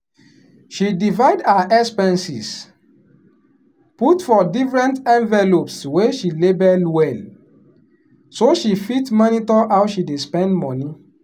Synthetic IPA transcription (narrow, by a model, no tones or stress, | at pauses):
ʃidivaɪdaʔɛkspɛ̃nsis | putfɔdifɹɛ̃ntɛ̃ɱvɛlopsweʃilebɛlwɛl | soʃifitmɔnitɔawʃidespɛ̃ndmɔni